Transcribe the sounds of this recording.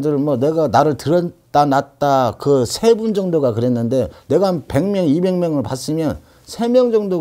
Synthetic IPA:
dɯɾɯmwʌne̞ɡanaɾɯɭtɯɾʌt͈anat̚t͈akɯsʰe̞bund͡ʑʌŋdoɡakɯɾe̞nːɯnde̞ne̞ɡaanpe̞ŋmjʌŋibe̞ŋmjʌŋɯɭpas͈ɯmjʌn | sʰe̞mjʌŋd͡ʑʌŋdo

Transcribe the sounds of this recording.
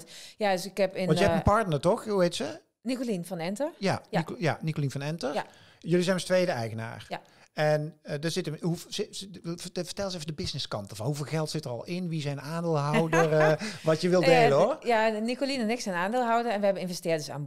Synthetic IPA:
tjadøsɪkɛpɪnʋɑntjəɦɛpənpɑɹtnətɔxɦuɦejtsə | nikolinvɑnɛntəjaikjanikolinvɑnɛntə | jɵlizɛjnməstʋejdəɛjɣəna̰ːr | ɛndəz̥ɪtəɦu | və̥ɹtɛlˠəsefədəbɪsnɪskɑntəvɑnɦuveːlˠɣɛlˠtsɪtərɑ̰lˠɪnʋizɛjnaːndeːlˠɦɑwdərʋɑtjəʋɪlˠdejlənɔɹjanikolinənɪksɛnaːndeːlˠɦɑwdərɛnʋəɦɛbənɪnvɛstɪːdəsa̰ːn

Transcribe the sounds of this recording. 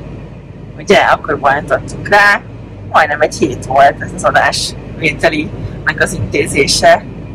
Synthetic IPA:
uɟɛʔɒkːorbojnt̪ot̪ːukraː | mɒjnɛmɛcheːt̪ʋolt̪ɛzɒzɒd̪a̰ːʃ | ʋeːt̪ɛlinɛkɒzint̪eːzeːʃɛ

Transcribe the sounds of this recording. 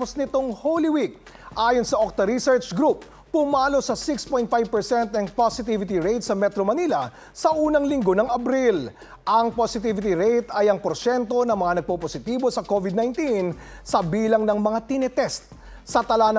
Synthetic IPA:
posnɪt̪o̞ŋhowliwik̚ | ʔaːjonsɐʔok̚t̪ɐɾisɛɹt͡ʃɡɾupː | ʊmaːlo̞sɐsɪkspojnt̪fajvpɛɹsɛnt̪̚ɐŋposɪt̪ivɪt̪iɹejt̪sɐmɛt̪ɾomɐnilɐ | sɐʔuːnɐŋlɪŋɡo̞nɐŋɐbɾil | ʔɐŋposɪt̪̬ivɪt̪ɪɾejt̪ɐjɐŋpoɾʃɛnt̪o̞nɐŋmɐŋanɐɡ̚poposɪt̪iːbo̞sɐkovɪd̪̚najnt̪insɐbiːlɐŋnɐŋmɐŋat̪ɪnɛt̪ɛst̪̚ | sɐt̪ɐlanɐ

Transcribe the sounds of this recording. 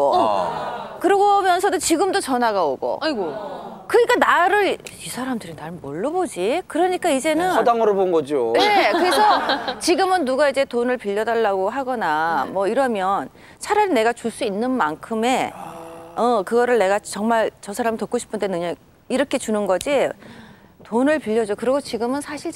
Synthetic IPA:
o̰ | kɯɾʌɡʌmjʌnsʰʌdot͡ɕiɡɯmdot͡ɕʌnaɡaoɡo̰ɡokɯɲik͈anaɾɯɭisʰaɾamdɯɾinaɾmo̰ɭːʌbod͡ʑikɯɾʌɲik͈aid͡ʑe̞nɯʌdaŋɯɾobonɡʌd͡ʑioje̞kɯɾesʰʌt͡ɕiɡɯmɯnːuɡaid͡ʑe̞tonɯɭpiʎːʌdaɭːaɡoɦaɡʌnamwʌiɾʌmjʌn | t͡ɕʰaɾane̞ɡat͡ɕuɭs͈uinːɯnmaŋkʰɯme̞ | ʌkɯɡʌɾɯɭne̞ɡat͡ɕʌŋmaɭt͡ɕʌsʰaɾamtok͈oɕʰi̥pʰɯndenɯɲa | iɾʌkʰe̞t͡ɕunɯnɡʌd͡ʑi | tonɯɭpiʎːʌd͡ʑokɯɾʌɡot͡ɕiɡɯmɯnsʰaɕʰiɭ

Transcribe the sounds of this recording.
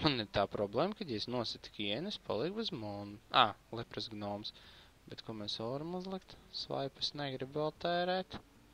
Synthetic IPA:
uniɾt̪aːpɾɔblˠeːmkad̪jɛsnuɔsɪt̪i̥kʲiɛnespʰa̰lˠik̚buzmɔnuaːlˠɛpɾɨsɡnɔːms | bɛt̪kuɔmɛsɔaɾɐmuzlˠɪkt̪sʋa̰jpasnɛɡɾibvɛlˠt̪ɛːɾɛːt̪

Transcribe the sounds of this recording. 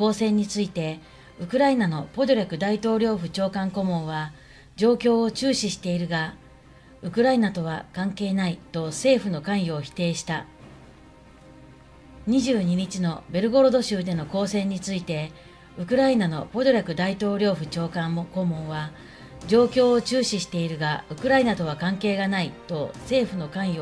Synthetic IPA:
ko̞ːsẽ̞ɲ̟ːit͡sɨit̪e̞ | ɯ̟kɯ̟ɾainano̞po̞d̪oɾʲakɯ̟d̪ait̪o̞ːɾʲo̞ːɸɯ̟t͡ɕo̞ːkãŋko̞mõ̞ɰ̃βa | d͡ʑo̞ːkʲo̞ːot͡ɕɨːɕiɕi̥t̪e̞iɾɯ̟ɡa | ɯ̟kɯ̟ɾainat̪o̞β̞akãŋke̞ːnait̪o̞se̞ːɸɯ̟no̞kãɰ̃jo̞ːçi̥t̪e̞ːɕi̥t̪a | ɲ̟iʑɨːɲ̟iɲ̟it͡ɕino̞be̞ɾɯ̟ɡo̞ɾo̞d̪o̞ɕɨːd̪e̞no̞ko̞ːsẽ̞ɲ̟ːit͡sɨit̪e̞ | ɯ̟kɯ̟ɾainano̞po̞d̪o̞ɾʲakɯ̟d̪ait̪o̞ːɾʲo̞ːɸɯ̟t͡ɕo̞ːkãmko̞ːmõ̞ɰ̃βa | d͡ʑo̞ːkʲo̞ːot͡ɕɨːɕiɕi̥t̪e̞iɾɯ̟ɡaɯ̟kɯ̟ɾainat̪o̞β̞akãŋke̞ːɡanait̪o̞se̞ːɸɯ̟no̞kãɰ̃jo

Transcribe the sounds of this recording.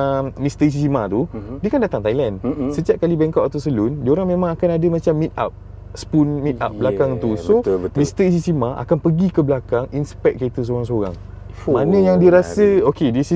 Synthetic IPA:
əmmist̪əis̬isimat̪udiəkandat̪aŋt̪ajlansət̪iap̚kalibɛŋkaʔat̪asəlundiəoɾaŋmẽmãŋakanadəmãt͡ʃamːit̪̚a̰p̚ | spunmit̪̚a̰p̚blakaŋt̪usomist̪əis̬isimaʔa̰kanpəɡikəblakaŋinspɛk̚kəet̪əs̬oɾaŋs̬oɾa̰ŋ | mmanə̃jaŋdiəɾasəokedisi

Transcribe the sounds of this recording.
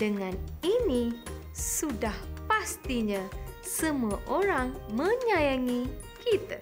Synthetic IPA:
dəŋãnini | sudahpast̪iɲã | səmuaʔoɾaŋmə̃ɲãjaŋikit̪ə

